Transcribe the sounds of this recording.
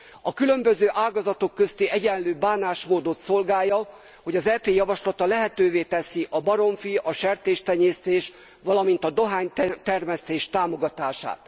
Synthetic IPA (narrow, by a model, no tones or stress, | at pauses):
ɒkylø̞mbøzøːʔaːɡɒzɒt̪o̞kːøst̪iɛɟɛnløːbaːnaːʃmoːd̪o̞t̪so̞lɡaːjːɒ | ho̞ɟɒzɛːpeːjɒvɒʃlɒt̪ɒlɛɦɛt̪øːveːt̪ɛsiʔɒbɒɾo̞ɱfiʔɒʃɛrt̪eːʃt̪ɛɲeːst̪eːʃ | ʋɒlɒmin̪t̪ɒd̪o̞ɦaːɲtt̪ɛrmɛst̪eːʃt̪aːmo̞ɡɒt̪aːʃa̰ːt̪